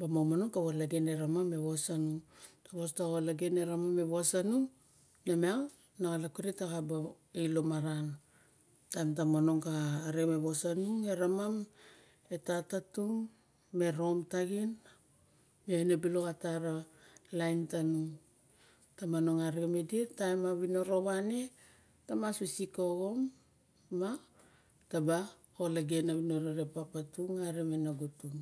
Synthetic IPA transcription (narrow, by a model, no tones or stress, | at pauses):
bamomano̞ŋkawalaɡeneɾamame̞βosanuŋtaβostawalaɡene̞ɾamame̞βoasanuŋ | nemea | naɡalakuɾetaɡaba | elo̞maɾan | tamtamano̞ŋkaːɾiomeβosanuŋe̞ɾamam | e̞tatatuŋ | me̞ɾo̞mtaɡin | maenebilokataɾa | lajntanuŋ | tamano̞ŋaɾeme̞dietaemaβino̞ɾo̞βane̞ | tamasusikoɡo̞mː | a | taba | ho̞laɡenaβino̞ɾoɾepapatuŋaɾemenaɡutuŋ